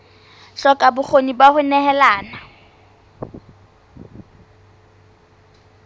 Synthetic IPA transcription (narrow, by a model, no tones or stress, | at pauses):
ɬɔkʼabʊk͡xʰonibahʊnɛhɛlaːna